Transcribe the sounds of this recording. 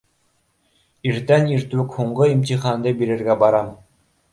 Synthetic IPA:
iɾt̪æniɾt̪ɘkhuɴɢɤimt̪iχɑnd̪ɤbiɾɘ̆ɾɡæbɑɾɑm

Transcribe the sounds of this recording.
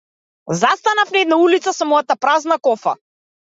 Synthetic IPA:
zast̪anafnɛd̪naulit̪sasɔmɔjat̪apɾaznakɔfa̰

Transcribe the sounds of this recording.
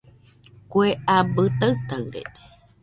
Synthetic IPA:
kʷeabɨt̪aɨt̪aɨɾḛt̪e̥

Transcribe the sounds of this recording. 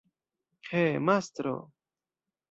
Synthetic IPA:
kʰeːmaːst̪ɾo̰ː

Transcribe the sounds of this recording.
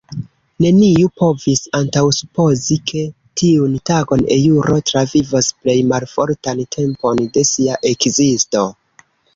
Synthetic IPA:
ne̞niupʰo̞visantawsupo̞zikʰe̞ | tʰiuntaɡo̞nḛjuɾʔotɾavivasple̞jmalfo̞ɾtantʰe̞mpo̞nde̞siaʔe̞kzisto̞

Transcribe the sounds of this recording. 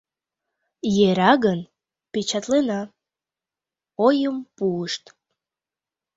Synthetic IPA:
jeɾɑɣən | pet͡ɕɑt̪lenɑ | ojəmpuəʃt̪

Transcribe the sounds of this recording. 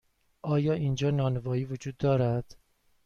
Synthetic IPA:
ʔɒːjɒːʔiːnd͡ʒɒːnɒːnevɒːiːvod͡ʒuːd̪ːɒːɾæd̪̥

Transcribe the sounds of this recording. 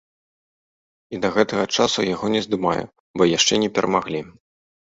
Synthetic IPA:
id̪ɐɣɛt̪ɐɣɐt͡ʂasujaɣɔnʲɛzd̪ɨma̰jṵ | bɔjaʂt͡ʂɛnʲɛpʲɛɾʔɐmaɣlʲi

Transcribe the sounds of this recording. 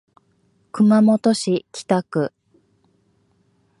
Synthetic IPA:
kɯ̟mamo̞t̪o̞ɕikʲi̥t̪akɯ̟

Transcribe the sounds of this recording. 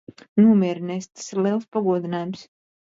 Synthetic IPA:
nuɔmʲiɛɾinʲɛst̪ḁsiɾliɛlˠspaɡuɔd̪inaːjums

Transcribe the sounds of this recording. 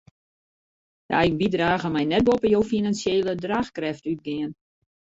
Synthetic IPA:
dəa̰jnbidraːɣəmɛjnɛt̚bopəjowfinansjeːlədraːxkrɛftyt̚ɡɪən

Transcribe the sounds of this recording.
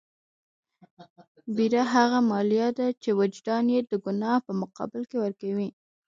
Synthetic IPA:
biɾaɦaɣamɑlijad̪at͡ʃewad͡ʒd̪ɑnjed̪əɡʊnɑhpəmʊqɑ̰bɪlkewəɾkawi

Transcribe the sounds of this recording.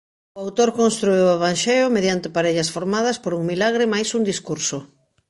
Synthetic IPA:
oawt̪oɾkonst̪ɾueweβ̞anʃeʊmeðjant̪ɪpaɾeʎɐsfoɾmað̞ɐspoɾuŋmilaɣ̞ɾɪmajsund̪iskuɾso

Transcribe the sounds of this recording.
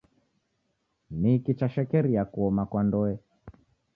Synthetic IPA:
nikit͡ʃaʃɛkɛɾiakuɔmakwandɔɛ

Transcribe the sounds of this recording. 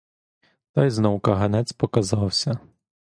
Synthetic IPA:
t̪ɑjznɔwkɐɦɐnɛt̪t͡s̪ʲpɔkɐzɑwsʲɐ

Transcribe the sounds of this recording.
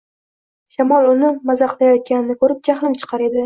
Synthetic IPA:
ʃamɒlˠʊnɪmazɑqlajɒt̪̚kʲanɪnɪkʰɵɾɪp̚d͡ʒaχlˠɪmt͡ʃʰɨ̥qʰɑɾe̞d̪ɪ

